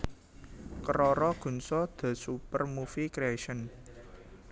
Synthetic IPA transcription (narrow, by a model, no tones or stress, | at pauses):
kəɾɔɾɔɡ̥ṳnsɔd̪̥a̤supərmufikɾeaʃən